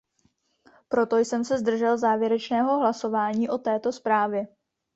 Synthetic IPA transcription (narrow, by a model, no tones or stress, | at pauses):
pɾo̞t̪o̞jsɛmsɛzd̪r̩ʒɛlzaːvjɛɾɛt͡ʃnɛːɦo̞ɦlaso̞vaːɲiːʔo̞t̪ɛːt̪o̞spɾaːvjɛ